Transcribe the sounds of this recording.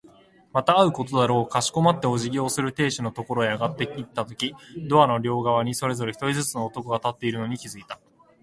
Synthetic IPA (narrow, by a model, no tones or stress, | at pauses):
mat̪aːɯ̟ko̞t̪o̞d̪aɾo̞ːkaɕi̥ko̞mat̪ːe̞o̞ʑiɡʲo̞ːsɨɾɯ̟t̪e̞ːɕino̞t̪o̞ko̞ɾo̞eaɡat̪ːe̞it̪ːat̪o̞kʲid̪o̞anoɾʲo̞ːɡaβ̞aɲ̟iso̞ɾe̞zo̞ɾe̞çi̥t̪oizɨt͡sɨnoːt̪o̞koɡat̪at̪ːe̞iɾɯ̟no̞ɲ̟ikʲizɨit̪ḁ